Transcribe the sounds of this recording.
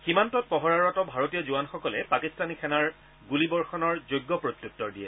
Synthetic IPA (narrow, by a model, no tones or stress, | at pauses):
ximantɔt̚pɔɦɔɹaɹatɔbʱaɹotiɔzuanxɔkɔlɛpakistanikʰɛnaɹ | ɡulibɔɹxɔnɔɹzojɡːɔpɹot̪juttːɔɹdijɛ̰